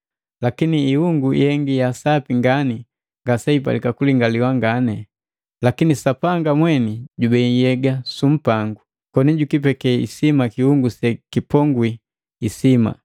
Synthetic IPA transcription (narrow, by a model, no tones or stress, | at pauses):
lakiniːhuŋɡuḭhɛŋɡijasapiŋɡani | ŋɡasɛip̬a̰likakuliŋɡaliwaŋɡanɛ | lakinisapaŋɡamwɛniɟubɛjɛɡasum̩paŋɡu | kɔniɟukipɛkɛḭsimakihuŋɡusɛkipɔŋɡwiː | sima̰